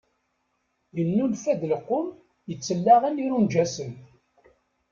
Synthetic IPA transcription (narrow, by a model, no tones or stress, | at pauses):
jənːulfæd̪ləqːʊm | jət͡sːəlːaʁəniɾund͡ʒæsən